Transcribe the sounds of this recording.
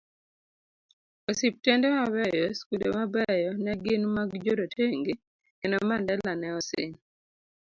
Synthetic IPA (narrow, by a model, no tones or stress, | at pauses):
osip̚tɛndɛmabɛjɔskundemabɛjɔnɛɡɪnmaɡd͡ʒoɾotʰeŋɡe | ɛnɔmandɛlanɛɔsɪ̰ŋ